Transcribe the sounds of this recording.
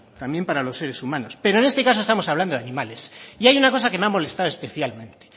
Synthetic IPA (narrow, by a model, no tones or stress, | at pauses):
t̪ambje̞mpaɾalo̞sːe̞ɾe̞sumãno̞spe̞ɾo̞ene̞st̪e̞kasoest̪amosaβland̪oðanĩmale̞siajunako̞sakemeamo̞le̞st̪aðoespe̞θjalmẽ̞nt̪e